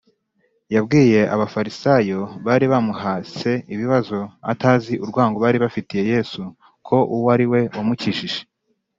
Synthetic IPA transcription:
jabɡiːje̞ʔaβafaɾisajo̞βaːɾiβamuhase̞iβiβazo̞a̰taːziʔuɾɡwaːŋɡoβaːɾiβafitije̞je̞ːsu | kʰo̞ʔuwaɾiwe̞omuciʃiʒe

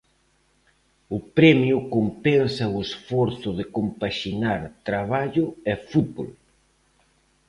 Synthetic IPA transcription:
ʊpɾɛmjʊkompɛnsɐʊesfɔɾθʊðekompaʃinaɾt̪ɾaβ̞aʎʊɛfut̪̚bo̰l

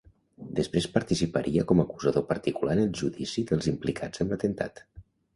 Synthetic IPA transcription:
d̪əspɾespəɾt̪isipəɾʔiəkɔməkuzəðopəɾt̪ikulanəlˠʒuðisiðəlˠzimplikʰad͡zəmlət̪ənt̪a̰t̪

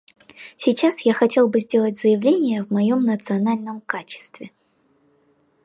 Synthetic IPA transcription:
sʲɪt͡ɕasjaxɐtʲe̞lˠbɨzʲdʲe̞lˠətʲz̥əjɪvlʲenʲɪjəvmɐjo̞mnət̪sɨɐnalʲnəmkat͡ɕɪ̥st̪vʲɪ

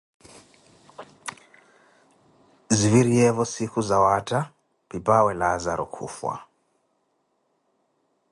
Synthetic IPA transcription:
ziviɾiɛvɔsikuzawata | pipawɛlazaɾɔ̰kʰṵfwa̰

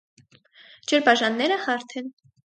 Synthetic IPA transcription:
d͡ʒəɾbɑʒɑnːɛɾəhɑɾt̪ʰɛn

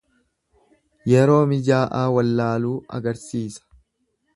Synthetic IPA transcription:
jɛɾo̞ːmɪd͡ʒaːʔaːwɐlːaːluːɐ̰ɡɐɾsiːsɐ̥

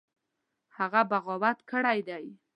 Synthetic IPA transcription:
haɣabaɣɔwat̪kəɽajd̪aj

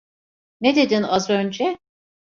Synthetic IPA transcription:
ned̪e̞d̪inazø̞nd͡ʒɛ

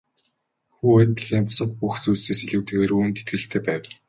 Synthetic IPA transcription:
xuːæt̪ːə̆ɮiːmpʊsə̆t̪̚puxsuːseːseɮŭwt̪ĕːɣeːɾuːnt̪et̪̚ɡɘ̆ɬt̪ʰːeːpæːw

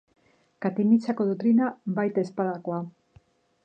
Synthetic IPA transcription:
kat̪init͡sako̞ðot̪ɾinabajt̪espaðakoa

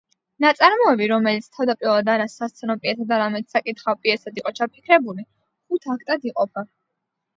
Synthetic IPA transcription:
nat̪sʼaɾmɔɛbiɾɔmɛlit̪sʰt̪ʰavd̪apʼiɾɔlˠad̪aɾasast̪sʰɛnɔpʼiɛt̪ʰad̪aɾamɛt̪sakʼit̪χapʼiɛsad̪iqʼɔt͡ʃʰapʰikʰɾɛbuli | χut̪ʰakʰt̪ʼad̪iqʼɔpʰa

